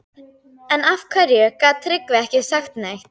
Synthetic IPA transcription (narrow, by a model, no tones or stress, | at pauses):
ɛnafkʰvɛɾjɛkaːt̪ʰɾɪkvɪɛhcɪsaxt̪najxt̪